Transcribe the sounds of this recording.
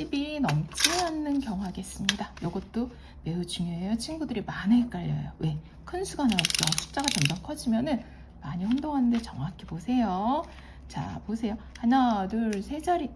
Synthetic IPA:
ɕʰibinʌmt͡ɕʰianːɯnkjʌŋɦaɡes͈ɯmɲidajʌɡʌt̚t͈o | me̞ut͡ɕuŋjoe̞jʌt͡ɕʰinɡudɯɾimanɯk͈aʎːʌ̰jowe̞ | kʰɯnsʰuɡanaot̚t͡ɕ͈oɕʰi̥p̚t͡ɕ͈aɡat͡ɕʌmd͡ʑʌŋkʰʌd͡ʑimjʌnɯn | maɲiɸondoŋɦanɯndet͡ɕʌŋɦakʰibosʰe̞jo | t͡ɕa̰posʰe̞jo | hanadɯɭsʰe̞d͡ʑʌɾi

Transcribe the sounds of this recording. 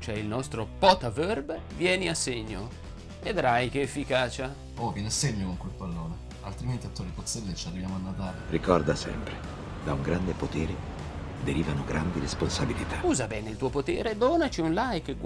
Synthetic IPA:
t͡ʃoɛilnɔst̪ɾopɔːt̪avɛrb | vjɛːniasːeɲːo̰ | ved̪ɾajkeːfːikaːt͡ʃa | ovjɛneasːeɲːokoŋkwelpalːoːne | a̰lt̪ɾiment̪iat̪ːoɾipot̪sːɛlːet͡ʃiarːivjaːmoanːat̪aːlerikɔrd̪asɛ̰mpɾe | d̪auŋɡɾand̪epot̪ɛːɾe | d̪eɾiːvanoɡɾʔand̪iɾesponsabilit̪auːzabɛːneilt̪uːopot̪ɛ̰ːɾed̪oːnat͡ʃiunlajkːɡ

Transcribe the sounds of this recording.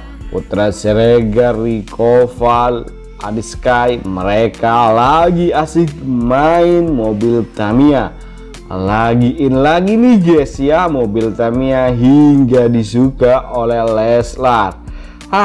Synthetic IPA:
pṵt̪ɾasɛɾɛɡarːikʰɔfal | a̰diskajməɾɛkalaɡiasiɡmainmɔbilt̪amia | laɡiʔːnlaɡiniɡɛsiamɔbilt̪amiaɦiŋɡadisukaʔolɛhlɛslar | a

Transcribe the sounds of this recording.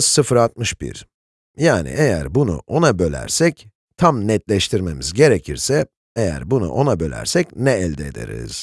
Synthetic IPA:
sɯfɾat̪̚mɯʃb̥ḭɾ | jaːnḭʔejæ̰ɾbunṵʔo̞nabø̞lʲæ̰ɾsɛc | t̪ʰamnɛt̪̚lʲɛʃt̪ʰiɾme̞mizɟe̞ɾecʰiɾsɛ | ejæ̰ɾbunṵʔo̞nabø̞lʲæ̰ɾsɛcnɛːlʲd̪ɛed̪ḛɾḭz̥

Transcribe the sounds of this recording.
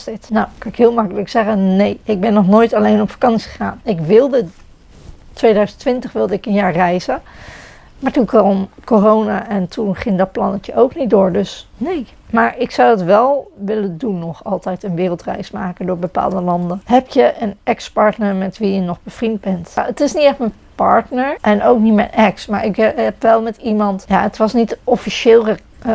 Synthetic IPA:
tɪtnawkɑnɪkɦɪːlˠmɑkələksɛχənnejɪɡ̚bɛnːɔχnojtɑlejnɔpfḁkɑnsi̥χəχaːnɪkʋɪlˠdə | tʋejdœɥzəntʋɪntəχʋɪlˠdəɪkənjaːɹrɛjzən | maːɹtunkɑɔmkorownaːʔɛntʰunχɪŋdɑt̚plɑnəkəʔowknit̚dʊːɹdɵsnej | maːɹʔɪksawdɑtʋɛlˠʋɪləndunːɔχɑlˠtɛjtənʋɪːrəlˠtrɛ̰jsmaːkəndʊːɹbəpa̰ːlˠdəlɑndənɦɛpjəʔənɛkspɑɹtnəɹmɛtʋijənɔχb̥əv̥rind̚bɛntətɪsnitɛχtmɛpɑ̰ɹtnəɹʔɛnowknitmɛjnʔɛksma̰ːɹɪkɛpʋɛlˠmɛtimɑntja̰ətʋɑsnitɔfiʃɪːlˠə

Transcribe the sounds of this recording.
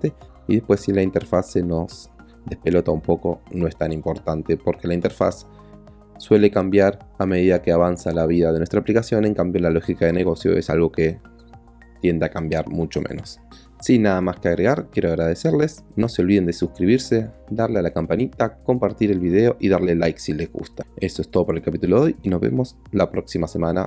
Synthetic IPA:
t̪e | iðe̞hpwe̞sːilaint̪eɾfaseno̞s | d̪e̞hpelo̞t̪aumpo̞ko̞noe̞st̪animpo̞ɾt̪ant̪e̞po̞ɾke̞laint̪e̞ɾfa̰sː | we̞le̞kambjaɾame̞ð̞iðakeaβansalaβ̞iðaðenwest̪ɾaplikasjo̞nẽ̞ŋkambjo̞lalo̞xikaðeneɣ̞o̞sjo̞̰esa̰lɣo̞ke | t̪je̞nd̪eakambjaɾmut͡ʃo̞mḛno̞sː | inaðamaskeaɣɾe̞ɣaɾkje̞ɾoaɣɾaðeseɾle̞s | no̞seo̞lβiðe̞nd̪esuskɾiβiɾse̞ðaɾlealakampanit̪ako̞mpaɾt̪iɾelβiðe̞o̞ʔiðaɾlelːajksile̞zɣṵst̪aesoest̪o̞ðopaɾelkapit̪uloðo̞jino̞zβḛmos | lapɾo̞ksimasemana̰

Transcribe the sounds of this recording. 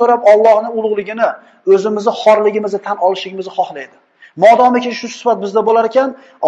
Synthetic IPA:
oɾapɒlˠːɒhnɪʊlˠʊʁlˠɪɡʲɪnɪ | ɵzɪmɪzɪχɒɾlɪɡʲɪmɪzɪt̪ʰanɒlˠɪʃlɪɡʲɪmɪzɪχɒχlajd̪ɪ | mɒd̪ɒmɪkʲɪʃʊsɪ̥fat̪̚bɪzd̪abolaɾekʲʰan | ɒ

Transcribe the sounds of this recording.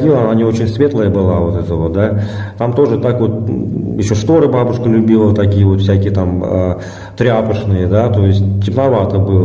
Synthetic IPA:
dʲilˠəɐnanʲio̞t͡ɕɪnʲsvʲe̞t̪lˠəjəbɨlˠavo̞t̪ɛt̪əvo̞t̪̚d̪a | t̪amt̪o̞ʐɨt̪akvo̞t̪̚jɪɕːo̞ʂt̪o̞ɾɨbabʊʂkəlʲʉbʲilˠət̪akʲijəvo̞t̪fsʲækʲɪjət̪amə̰ | t̪ɾʲɪapəʂnɨjəd̪at̪o̞jɪsʲt̚ʲtʲɪpnavat̪əbɨlˠə

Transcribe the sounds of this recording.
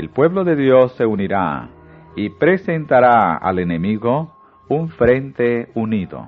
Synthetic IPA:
elpwe̞βlo̞ðeðjo̞sːe̞uniɾa̰ | ipɾe̞se̞nt̪aɾaa̰le̞ne̞miɣo̞ | uɱfɾe̞nt̪e̞uniðo̞̰

